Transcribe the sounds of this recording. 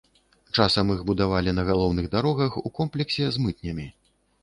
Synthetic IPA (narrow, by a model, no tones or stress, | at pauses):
t͡ʂasɐmiɣbud̪avalʲinɐɣalˠɔwnɨɣd̪aɾɔɣɐxukɔmplʲɛksʲɛzmɨt̪̚nʲɐmʲi